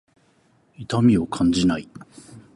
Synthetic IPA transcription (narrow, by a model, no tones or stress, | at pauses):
it̪amʲio̞kʰãɲ̟d͡ʑinai